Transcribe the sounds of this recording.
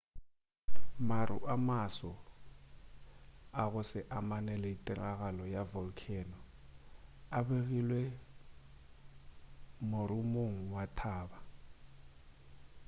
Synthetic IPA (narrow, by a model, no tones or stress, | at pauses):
maɾṵʔamasɔ | aɣʊsɛʔamanɛlɛitʼɛraɣalɔjavɔlkʰɛnɔ | aɓeɣilwɛ | moɾumoŋ̩watʰaːba